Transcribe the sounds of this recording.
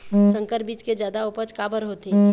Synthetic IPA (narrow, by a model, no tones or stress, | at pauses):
sə̃ŋkəɾbiːt͡ʃked͡ʒjaːd̪aopət͡ʃkabəɾɦot̪i